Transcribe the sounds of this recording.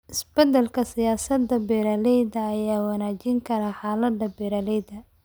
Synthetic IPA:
ʔɪsb̥ɐd̪ɛlkʰɐsɪjaːsɐd̪ɐbɛɾɐlɛjdɐːjaːwɑnaːt͡ʃɪŋkʰɐɾɐħaːlɐd̪ɐbɛːɾɐlɛjðɐ

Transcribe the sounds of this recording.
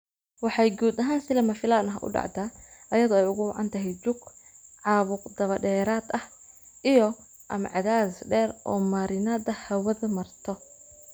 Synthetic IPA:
wɑħɑjɡuːd̪ɐɦaːnsɪlɐmɐfɪlaːnɐɦɐʔʊ̰ɖɑ̰ʕd̪aːʔɐjɐðɔɛjʊɣʊwɑ̰ʕɑ̰nt̪ʰɐɦɛjd͡ʒʊɡʕɑːβʊqd̪ɐβɐɗɛːɾaːd̪ɐh | ijɔ | ʔɐmʕɑðaːsɖɛːrʔɔ̰ːmɐɾɪnad̪ɐhɐwɐðɐmɐrt̪ʰɔ

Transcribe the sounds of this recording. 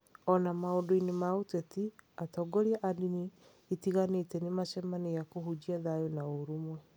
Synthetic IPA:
ɔnamaodoinemaotɛtiatɔːɡɔɾiaʔadiniː | tiɣanetɛnemaʃɛmanejakoɦud͡ʑiaðajonaoɾomwɛ

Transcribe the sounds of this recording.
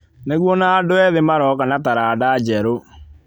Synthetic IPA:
neɣwɔnaːdoɛðemaɾɔkanataɾaːdad͡ʑɛɾo

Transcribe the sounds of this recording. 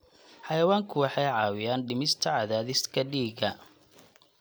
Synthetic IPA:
ħɑjɐwaːŋkʰʊwɑħɑjʕɑːwɪjaːnɖɪmɪst̪ʰɐʕɑðaːðɪskʰɐɖiːɡɐ

